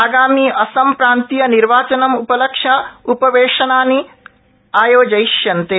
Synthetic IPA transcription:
aːɡaːmiːɐsɐmpɾaːnt̪ijɐniɾʋaːt͡ʃɐnɐmupɐlɐkʂɐupɐʋeːʂɐnaːni | aːjoːd͡ʒɐjʃjɐnt̪e

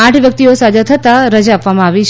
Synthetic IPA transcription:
ãʈʰʋjək̚t̪iosad͡ʒat̪ʰət̪aɾəd͡ʒaːpʋamãaʋit͡ʃʰ

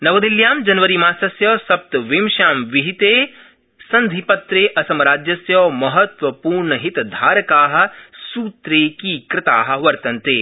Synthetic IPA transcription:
nɐʋɐd̪iljaːmd͡ʒɐnʋɐɾimaːsɐsjɔːsɐp̚t̪ʋɪmʃaːmʋɪɦit̪eː | sɐ̃nd̪ʱipɐt̪ɾeːʔɐsɐmɐɾaːd͡ʒjɐsjɔːmɐɦɐt̪ʋɐpuːɾɳɐɦɪt̪d̪ʱaːɾɐkaːɦɐ̆suːt̪ɾeːkiːkɾɪt̪aːɦɐ̆ʋɐɾt̪ɐ̃nt̪eː

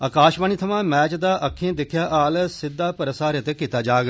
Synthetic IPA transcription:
aːkaːʃbaːniːt̪ʰəmãːmɛːt͡ʃd̪aːʔəkʰːẽːd̪ɪkʰjaːʔaːlsɪd̪ːaːpəɾəsaːɾət̪eːkiːt̪aːd͡ʒaːɡ

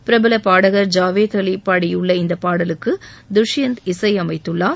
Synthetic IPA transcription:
pɪɾɐbɪlɐpaːɽɐɣɐɾd͡ʒaːʋeːd̪ɐɭipːaːɽɪjʊɭːɐɪnd̪ɐpːaːɽɐlɯkːɯ | d̪ʊʂjɐnd̪ɪsɐɪɐmɐɪt̪ːɯɭːaː

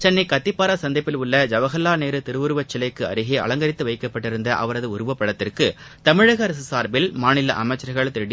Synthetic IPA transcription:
t͡ʃɛnːɐɪkɐt̪ːɪpːaːɾaːsɐnd̪ɐɪpːɪlʊɭːɐd͡ʒɐʋɐɣɐlːaːneːɾɯt̪ɪɾɯʋɯɾɯʋɐt͡ʃːɪlɐɪkːɯɐ̰ɾɯɣeːʔɐ̰ɭɐŋɡɐɾɪt̪ːɯʋɐɪkːɐpːɐʈːɪɾɯnd̪ɐʔɐ̰ʋɐɾɐðɯʊɾɯʋɐpːɐɭɐt̪ːɪrkɯ | t̪ɐmɪɻɐɣɐɾsɯsaːɾbɪlmaːnɪlɐʔɐmɐɪt͡ʃːɐɾɐɣɐɭt̪ɪɾɽɪ

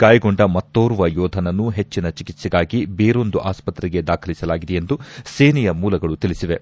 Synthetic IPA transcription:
kaːjɡo̞ɳɖɐmɐt̪ːoːɾuʋɐjɔːd̪ʱɐnɐnːuɦe̞t͡ʃːinɐt͡ʃikit̪siɡaːɡibeːɾo̞nd̪uʔaːspɐt̪ɾɛɡe̞d̪aːkʰɐlisɐlaːɡid̪eje̞nd̪useːnijɐmuːlɐɡɐɭut̪ilisiʋe̞

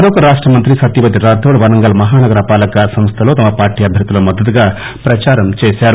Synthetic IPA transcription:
ɐɾoːkɐɾaːʂʈɾɐmɐnt̪ɾisɐt̪ːiʋɐt̪iɾaːd̪oːɽʋɐnɐŋɡɐlɐmɐɦaːnɐɡɐɾɐpaːlɐkasɐmst̪ʰɐlo̞ːt̪ɐmɐpaːɾʈiːɐbʱjɐɾd̪ilɐmɐd̪ːɐt̪̬uɡaː | pɾɐt͡ʃaːɾɐmt͡ʃeːsaːɾu

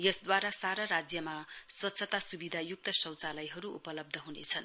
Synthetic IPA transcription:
jʌsd̪waɾasaɾʌɾad͡zjʌmaswʌt̪sʰʌt̪asubid̪ʱajuk̚t̪ʌsʌ̃wt͡salʌjɦʌɾuṵpʌlʌb̚d̪ʱʌɦunḛt͡sʰʌn

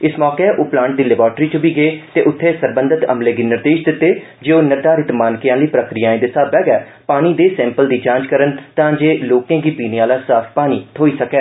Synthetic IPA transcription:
ɪsmɔːkeːʔoːplãːɳʈ̚d̪iːlɛbɔːɾʈɾiːt͡ʃəbiːɡeeːt̪eːʔʊt̪ʰːeːsəɾbə̃nd̪ət̪ə̰mleːɡiːnɪɾd̪eːʃd̪ɪt̪ːeː | d͡ʒeːoːnəɾd̪aːɾɪt̪maːnkɪjãːləiːpɾəkɾijaːẽːd̪ɪsaːbɛːɡɛː | paːɽ̃iːd̪eːsɛ̃ːmpəld̪iːd͡ʒãːɲt͡ʃkəɾənt̪ãːd͡ʒeːloːkẽːɡiːpiːneaːlaːsaːpʰpaːniːt̪ʰoːiːsəkɛː

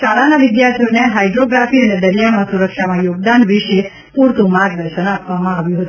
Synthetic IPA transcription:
ʃaɭanaʋɪd̪jaɾt̪ʰijoneɦajɖɾoɡɾafiəned̪əɾijamãsuɾəkʃamãjoɡ̚d̪anʋɪʃe | puɾt̪ũmaɡd̪əɾʃənapʋamãaʋjũɦət̪u

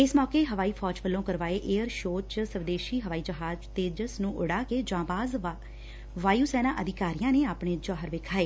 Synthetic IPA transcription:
ɪsmɔːkeːɦəʋaːiːpʰɔːd͡ʒʋəlːõːkəɾʋaːeːʔeːəɾʃoːt͡ʃsəʋd̪eːʃiːɦəʋaːiːd͡ʒəɦaːd͡ʒt̪eːd͡ʒəsnũːʔʊɽaːkeːd͡ʒãːbaːz | ʋaːjuːsɛːnãːʔəd̪ɪkaːɾijãːneːaːpɳeːd͡ʒɔːɦəɾʋɪːkʰaːeː

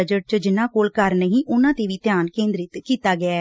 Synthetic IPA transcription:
əd͡ʒəʈ̚t͡ʃəd͡ʒɪnːãːkoːlkəɾnəɦĩːʔʊnãːt̪eːʋiːt̪jaːnkẽːnd̪ɾɪt̪kiːt̪aːɡɪaː

